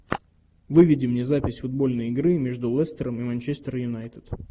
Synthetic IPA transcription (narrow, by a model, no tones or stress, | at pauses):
vɨvʲɪdʲɪmnʲezapʲɪsʲfʊd̪̚bo̞lʲnəjɪɡɾɨmʲeʐd̪ʊlˠɛst̪əɾəmɨmanʲt͡ɕest̪əɾjʊnajt̪ɨt̪